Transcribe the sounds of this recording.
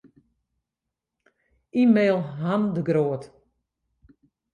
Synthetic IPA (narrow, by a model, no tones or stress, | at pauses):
imeːlˠɦamdəɡroət